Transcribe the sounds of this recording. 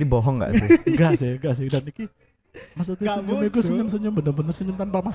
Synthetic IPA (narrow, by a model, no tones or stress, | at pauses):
ibɔɦɔŋɡa̰ʔ̪uɡaʔsɪhɡaʔs̬ɪhdaniki | mas̬ut̪uɡaɡumik̪usəɲəms̬əɲəmbənərbənərsəɲəmt̪anpamas